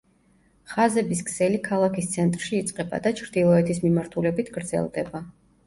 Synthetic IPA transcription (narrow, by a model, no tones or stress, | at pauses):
χazɛbiskʰsɛlikʰalˠakʰist̪sʰɛnt̪ʼɾʃiːt̪sʼqʼɛba̰d̪at͡ʃʰɾd̪ilˠɔɛt̪ʰismimaɾt̪ʰulɛbit̪ʰɡ̥ɾd̪zɛ̰lˠd̪ɛba